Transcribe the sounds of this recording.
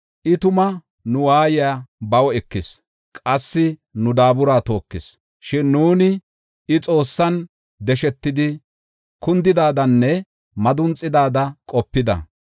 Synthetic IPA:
ʔɪt̪ʊmɐ | nʊwaːjɪjaːbɐwɛkːɪs | kʼɐsːɪnʊd̪aːbʊɾaːt̪o̞ːkːɪs | ʃɪnːuːnɪ | ɪt͡sʼo̞ːsːɐn | d̪ɛʃɛt̪ːɪd̪ɪ | kʊnd̪ɪd̪aːd̪ɐnːɛ | mɐd̪ʊnt͡sʼːɪd̪aːd̪ɐkʼɔpːɪd̪ɐ̰

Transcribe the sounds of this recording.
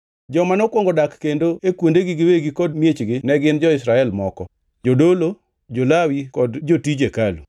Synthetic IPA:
d͡ʒɔmanɔkwoŋɡodakːendoekwondeɡiɡɪweɡikɔdmjet͡ʃɡɪnɛɡɪnd͡ʒɔɪsɾaɛlmɔkɔ | d͡ʒodolo | d͡ʒolawikɔdd͡ʒotid͡ʒekalṵ

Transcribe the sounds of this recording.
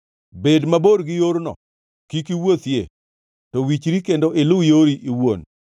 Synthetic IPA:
bedmaboɾɡɪjoɾnɔ̰ | kikiwot̪jḛ | tɔwit͡ʃɾikendoʔɪlʊjoɾiʔiwon

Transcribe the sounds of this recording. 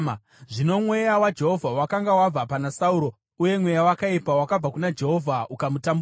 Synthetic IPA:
ʐino̞mwe̞jawad͡ʒe̞ɦo̞vʱawakaŋɡawab͡vapanasauɾo̞ | uje̞mwe̞jawakaipawakab͡vakunad͡ʒe̞ɦo̞vʱaukamutambu

